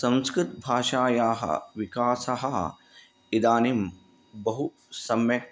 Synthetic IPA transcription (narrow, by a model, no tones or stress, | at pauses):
sɐ̃ñskɾɪt̪bʱaːʃaːjaːɦɐ̰ʋikaːsɐɦɐ | id̪aːnim | bɐɦu | sɐmjɐ